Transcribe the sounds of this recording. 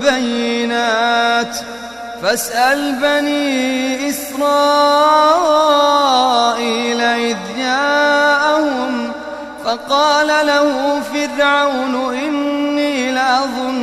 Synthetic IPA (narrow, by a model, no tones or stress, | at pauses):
bajːɪnaːt̪ | fasʔalbaniːʔɪsɾˤɑː | ʔiːlaʔɪd̪jaːʔahʊm | fɑqɑːlalahʊfɪrʕawnʔɪnːiːlaʔɑðˤʊnː